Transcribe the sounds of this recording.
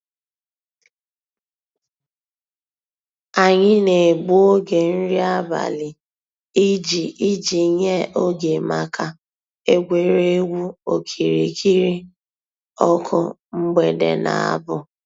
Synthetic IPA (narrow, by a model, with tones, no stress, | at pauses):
a˨ɲɪ˦ne˨ɡ͡bu˦o˦ɡe˨n̩˦ɾi˦a˦ba̰˨lɪ˨ | i˦d͡ʒi˨i˦d͡ʒi˨ɲe˦ʔo˦ɡe˨ma˨kʰa˨ | e˦ɡʷe˨ɾe˦ɡu˦o̰˨kʰi˨ɾḭ˨kʰi˦ɾi˦ | ɔ˦kʰʊ̰˦ | m̩˦ɡ͡be˨dḛ˨na̰˨a̰˦bʊ˦